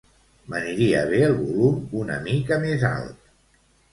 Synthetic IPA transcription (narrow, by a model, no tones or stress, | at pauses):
bəniɾiəβ̞eəlˠβulumunə̰mikəmeza̰lˠt̪̚